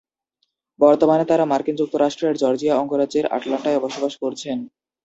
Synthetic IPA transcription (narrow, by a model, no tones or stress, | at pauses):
bɔɾt̪omanet̪aɾamaɾkind͡ʑuk̚t̪oɾaʃʈɾeɾd͡ʑɔɾd͡ʑijaɔŋɡoɾadd͡ʑeɾa̰ʈlaɳʈaebɔʃobaʃkoɾt͡ɕʰen